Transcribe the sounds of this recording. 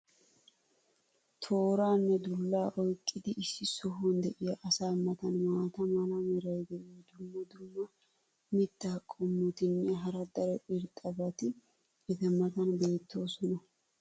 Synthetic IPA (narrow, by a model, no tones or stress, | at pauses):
t̪ʰo̞ːɾaːnːɛd̪ʊlːaːʔɔjkʼːɪd̪ɪʔɪsːɪsɔɦond̪ɛʔɪjɐʔɐsaːmːɐt̪ɐnmaːt̪ɐmɐnɐmɛɾɐjɡ̪ɛʔd̪ʊmːɐd̪ʊmːɐ | mɪt̪ːaːkʼɔmːʊt̪ɪnːɛɦɐɾɐd̪ɐɾɛʔɪɾt̪ʼɐbɐt̪ɪ | ɛt̪ɛmɐt̪ɐnbe̞ːt̪ːo̞ːsɔnɐ